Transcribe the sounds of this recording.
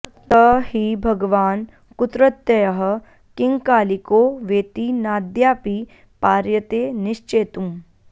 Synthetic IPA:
t̪ɐhibʱɐɡʋaːn | kʊt̪ɾət̪ːjɐjɐɦə̆ | kɪ̃ŋɡkaːlikoːʋeːt̪inaːd̪jaːpi | paːɾjət̪eːnɪʃt͡ʃeːt̪ũm

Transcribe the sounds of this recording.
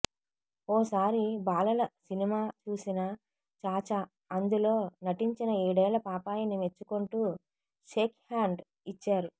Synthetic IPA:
ɔːsaːɾibaːlɐlɐsinimaːt͡ʃuːsinɐ | t͡ʃaːt͡ʃa | ɐnd̪ulo̞ːnɐʈiɲt͡ʃinɐeːɽɛːlɐpaːpaːjɐnime̞t͡ʃːuko̞ɳʈuː | ʃeːkhaːɳɖ | it͡ʃːaːɾu

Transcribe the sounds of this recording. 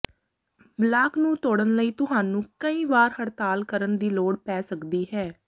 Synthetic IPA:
blaːknũːt̪oːɽənləiːt̪ʊɦaːnũːkəiːʋaːɾhəɾt̪aːlkəɾənd̪iːloːɽpɛːsəkd̪iːɦɛː

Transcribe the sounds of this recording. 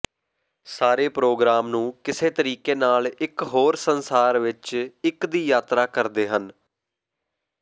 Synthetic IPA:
saːɾeːpɾoːɡɾaːmnũːkɪseːt̪əɾiːkeːnaːlɪkɦoːɾsənsaːɾʋɪt͡ʃɪkd̪iːjaːt̪ɾaːkəɾd̪eːɦən

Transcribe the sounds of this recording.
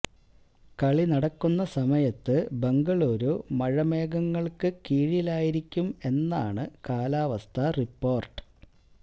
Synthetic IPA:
kɐɭinɐɽɐkːunːɐsɐmɐjɐt̪ːɨbe̞ŋɡɐɭoːɾoːmɐɻɐme̞ːɡɐŋːɐɭkɨkiːɻilaːjiɾikʲːume̞nːaːɳɨkaːlaːʋɐst̪ʰɐripːo̞ːrʈɨ̥

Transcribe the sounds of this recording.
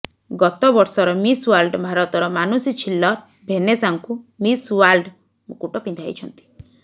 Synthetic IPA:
ɡɔt̪ɔbɔɾsɔɾɔmisualɖbʱaɾɔt̪ɔɾɔmanusit͡ʃʰilːɔɾ | bʱenesaŋkumisualɖ | mukuʈɔpind̪ʱa̰jt͡ʃʰɔnt̪i̥

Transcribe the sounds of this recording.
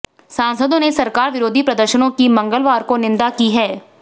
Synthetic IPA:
sãːnsəd̪õnesɐɾkaːɾʋɪɾoːd̪ʱipɾɐd̪əɾʃənõkimɐ̃ŋɡəlʋaːɾkonɪ̃nd̪akiɦɛː

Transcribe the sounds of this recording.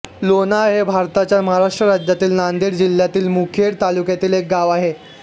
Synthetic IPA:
lonaɦebʱaɾt̪at͡ɕjaməɦaɾaʂʈɾəɾad͡ʑjat̪iːlnand̪iːɾd͡ʑil̤ːjat̪iːlmukʰeɽt̪alukjat̪iːlek̚ɡaʋaɦe

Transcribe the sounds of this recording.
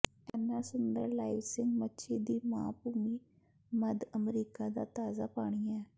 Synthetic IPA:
ɛnːasʊnd̪əɾlaːɪʋsɪ̃ŋɡmətːʃʰid̪iːmãːpuːmi | məd̪əmɾiːkad̪a̰t̪aːzapaːɽ̃ijɛː

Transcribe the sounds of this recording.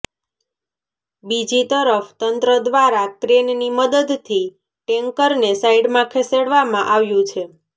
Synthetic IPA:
bid͡ʒit̪əɾəft̪ənt̪ɾəd̪ʋaɾakɾenniməd̪əd̪t̪ʰi | ʈɛ̃ŋkəɾnesaiɽmãkʰeseɽʋamãʔaʋjũt͡ʃʰe

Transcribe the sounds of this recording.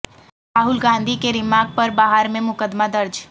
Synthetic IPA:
ɾaːɦʊlɡãːnd̪ʱikeɾɪmaːɡ̚pɐɾbaːɦəɾmẽmʊkəd̪mad̪ɐɾd͡ʒ

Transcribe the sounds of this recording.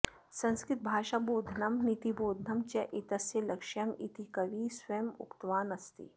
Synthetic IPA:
sɐ̃nskɾɪt̪̚bʱaːʃaboːd̪ʱnɐmnit̪iboːd̪ʱnɐmt͡ʃɐʔit̪ɐsjɐlɐkʃjɐmit̪ikɐʋiːswɐmʊ̰kt̪ʋaːnɐst̪ḭ

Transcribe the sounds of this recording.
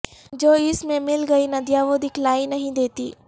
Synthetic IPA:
d͡ʒoːɪsmẽmɪlɡɐinɐd̪jaːʋoːd̪ɪklaːinɐɦĩd̪eːt̪ḭː

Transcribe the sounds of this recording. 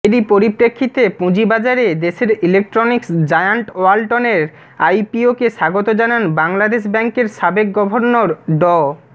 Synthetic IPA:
eɾipoɾipɾekʰːit̪epũd͡ʑibad͡ʑaɾed̪eʃeɾilek̚ʈɾoniksd͡ʑajaɳʈoalʈoneɾ | ajpiokeʃaɡot̪od͡ʑananbaŋlad̪eʃ̬bɛŋkeɾʃabek̚ɡɔbʱoɾnoɾɖɔ

